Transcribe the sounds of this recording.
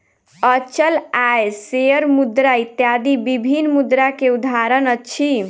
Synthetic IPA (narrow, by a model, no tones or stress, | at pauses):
ət͡ʃəlajseəɾmud̪ɾait̪jad̪ibibʱinmud̪ɾakeud̪ʱaɾənət͡ʃʰi